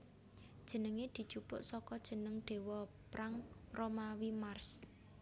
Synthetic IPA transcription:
d̥ʒ̥ə̤nəŋed̪̥i̤̥t͡ʃupʊ̰ʔsɔkɔd̥ʒ̥ə̤nəŋɖ̪̥e̤wɔ | pɾʔaŋromawimars

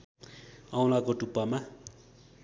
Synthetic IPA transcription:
awlakoʈupːama

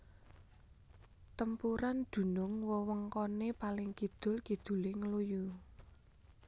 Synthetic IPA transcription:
t̪əmpuɾand̪̥ṳnʊŋwɔwəŋkɔnepalɪŋkid̪̥ʊ̤lkid̪̥ṳlɪŋəluju

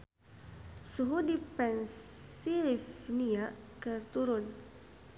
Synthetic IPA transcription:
suɦudipɛnsifniaʔkərt̪uɾʊn

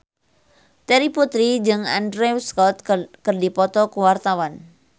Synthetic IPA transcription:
t̪eɾiput̪ɾid͡ʒɨŋa̰ndɾeuskɔt̪̚kərdipɔt̪ɔkuwart̪awan

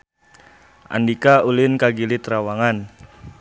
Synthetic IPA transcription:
ʔa̰ndikaulɪnkaɡilit̪ɾawaŋan

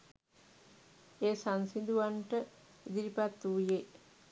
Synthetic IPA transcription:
eːsansind̪uʋaɳʈəid̪iɾipat̪ːuje

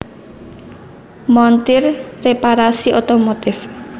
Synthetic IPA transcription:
mɔnt̪ɪrrepaɾasiʔot̪omot̪ɪf

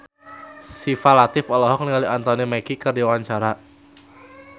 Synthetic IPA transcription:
sifalat̪ɪfɔlɔɦɔk̚niŋaliʔant̪ɔnimɛkikərdiwaɲt͡ʃaɾa

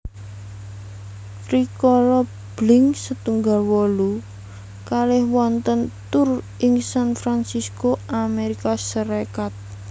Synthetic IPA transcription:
fɾikɔlɔ | b̥lɪŋsət̪uŋɡalwɔlu | kalɪhwɔnt̪ənt̪ʊr | ɪŋsanfɾansiskoameɾikasəɾekat̪̚

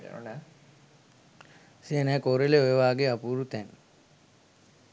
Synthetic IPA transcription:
n | siənɛːkoːɾeleojeʋaːɡeapuːɾut̪ɛn

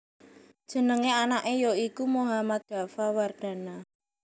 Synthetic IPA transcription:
d̥ʒ̥ə̤nəŋeanaʔejoikumoɦamat̪̚ɡ̥ä̤faward̪̥ä̤na

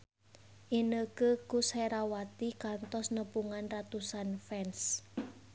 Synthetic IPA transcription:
ʔinəkəkusheɾawat̪ikant̪ɔsnəpuŋanrat̪usanfɛns

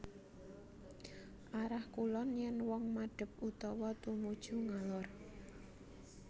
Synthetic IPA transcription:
ʔaɾahkulɔnjɛnwɔŋmaɖ̥ə̤p̚ut̪ɔwɔt̪umud̥ʒ̥ṳŋalɔr

